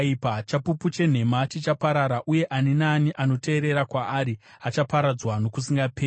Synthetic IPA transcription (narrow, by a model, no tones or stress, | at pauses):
ipat͡ʃapuput͡ʃe̞n̤e̞mat͡ʃet͡ʃapaɾaɾaʔuje̞ʔanenaniʔano̞te̞ːɾe̞ɾakwaʔːɾi | at͡ʃapaɾad͡zwano̞kusiŋɡapʰeː